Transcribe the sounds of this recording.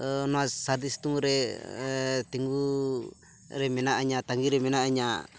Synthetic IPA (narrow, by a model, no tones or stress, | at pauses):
nɔasaɾd̪ist̪uŋɾɛ | t̪iŋɡu | ɾɛmɛnaʔaɲat̪aŋɡiɾɛmɛnaaɲa